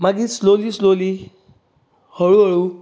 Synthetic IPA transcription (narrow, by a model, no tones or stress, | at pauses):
maɡisloliːsloli | həɭuɦəɭu